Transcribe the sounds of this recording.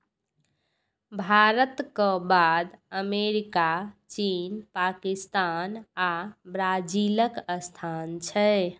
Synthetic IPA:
bʱaɾət̪kə̃bad̪əmeɾikat͡ʃinpakist̪anabɾad͡ʒiləkəst̪ʰant͡ʃʰə

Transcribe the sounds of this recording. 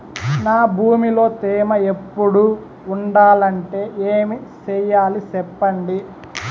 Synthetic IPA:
naːbʱuːmilo̞ːt̪ɛːmɐe̞pːuɽuː | ɳɖaːlɐɳʈe̞ːʔeːmit͡ʃɛjaːlisɛpːɐɳɖi

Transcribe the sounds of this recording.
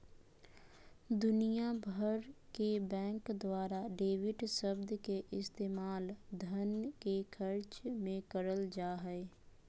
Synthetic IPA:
d̪ʊnijabʱəɾkebɛ̃ːŋkd̪waːɾaɖeːʋɪʈsəbd̪keʔɪst̪eːmaːld̪ʱənkexkʰəɾt͡ʃmẽkəɾəld͡ʒaːɦɛe

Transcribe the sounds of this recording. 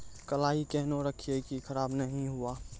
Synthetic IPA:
kəlaːikɛɦnoɾəkʰiekikʰɐɾaːbnɐɦĩɦʊaː

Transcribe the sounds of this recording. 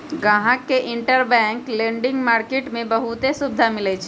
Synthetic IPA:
ɡãɦãkːeʔiɳʈəɾbɛ̃ŋklẽɳɖiŋɡmaɾkeʈmebəɦut̪esub̚d̪ʱamilɛt͡ʃʰ

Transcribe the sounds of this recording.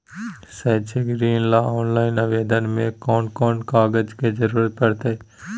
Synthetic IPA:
sɛːt͡ʃeɡɾiːnlaːɔːnlaːɪnɐʋeːd̪ənmẽkɔːnkɔːnkaːɡəd͡ʒked͡ʒɐɾuːɾət̪̚pɐɽt̪eː

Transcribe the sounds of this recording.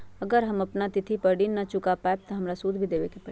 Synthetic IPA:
ɐɡəɾɦɐmɐpnat̪ɪt̪ʰipɐɾɖiːnːɐt͡ʃʊkapaːeb̚t̪ɐɦɐmɾasuːd̪ʱbʱid̪eːʋekepɐi

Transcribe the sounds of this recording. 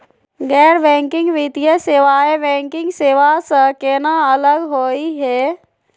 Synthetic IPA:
ɡɛːɾbɛ̃ːŋkɪ̃ŋɡʋɪt̪ijəseːʋaːebɛ̃ːŋkɪ̃ŋɡseːʋasəkeːnaələɡɦoːiɦɛː

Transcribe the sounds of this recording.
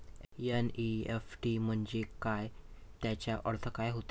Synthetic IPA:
jɛniefʈim̤əɳd͡zekajt̪jat͡ɕjaʔəɽt̪ʰəkajɦot̪e

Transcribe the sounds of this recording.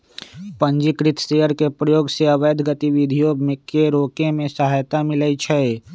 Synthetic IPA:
pə̃nd͡ʒikɾɪt̪seəɾkepɾəjoːɡseɐʋəjd̪ʱɡət̪iʋid̪ʱijomekeɾoːkemẽsəɦaːjt̪amɪləit͡ʃʰɛ

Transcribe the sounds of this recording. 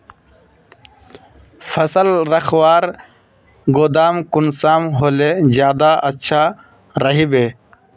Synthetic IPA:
fʰɐsəlɾɐxwaːɾ | ɡoːd̪aːmkunsaːmɦoːlezjaːd̪aʔɐtːʃʰa | ɾɐɦibeː

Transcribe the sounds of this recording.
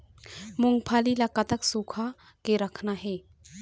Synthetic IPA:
muŋɡpʰalilakat̪əksukʰa | keɾəkʰnaɦe

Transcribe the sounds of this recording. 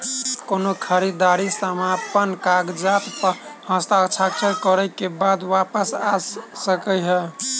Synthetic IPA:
konokʰəɾid̪aɾisəmapənkaɡd͡ʒat̪phə̃st̪akt͡ʃʰakt͡ʃəɾkəɾəkebad̪wapəsassəkəjɦɛ

